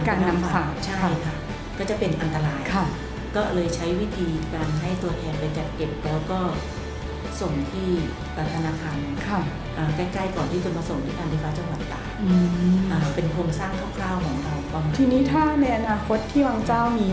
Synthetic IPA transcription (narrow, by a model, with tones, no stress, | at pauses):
kaː˧naa˦˥mfaːfaː˨˩k̚t͡ɕʰa˥˩˧jkʰa˥˩ | kɔː˥˩t͡ɕa˨˩pe˧nʔa˧nt̪a˧ɾaː˧jʰa˧˩ | kɔː˥˩lɤː˧jt͡ɕʰa˦˥jwi˦˥t̪ʰiː˧kaː˧nɦa˥˩jt̪u˧ɐt̪ʰɛː˧npa˧jt͡ɕa˨˩t̪̚ke˨˩p̚lɛː˦˥wkɔː˥˩ | so˨˩ŋt̪ʰiː˥˩ | ʔaː˨˩t̪ʰa˧naː˧kʰaː˧nkʰa˧˩ | ʔaː˨˩kɛː˥˩jkla˥˩jkɔː˨˩nt̪ʰiː˥˩ko˧˩maː˧so˨˩ŋt̪ʰiː˥˩kaː˧nʰiː˧˩fa˦˥t͡ɕa˧ŋwa˨˩t̪ːaː˨˩ʔɯː˧ʔaː˨˩pe˧nkʰoː˧ŋsaː˥˩ŋkʰa˥˩wkʰlaː˥˩wkʰɔː˩˦ŋɾa˧wa˧wt̪ʰiː˧niː˦˥t̪ʰaː˥˩na˧jʔa˧naː˧kʰo˦˥t̪ʰːiː˥˩waː˧ŋt͡ɕaː˥˩wmiː˧